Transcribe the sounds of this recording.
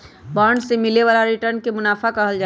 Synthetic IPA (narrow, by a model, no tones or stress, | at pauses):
baːɾɳɖsemɪleʋaːlaɾiʈəɾnkemʊnaːfʰakəɦəld͡ʒa